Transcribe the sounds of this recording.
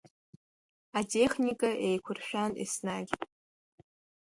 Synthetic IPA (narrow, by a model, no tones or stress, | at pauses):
atʰʼe̞χnikʼaʔejkʷʰʊrʃᶣanḭsnaɡʲ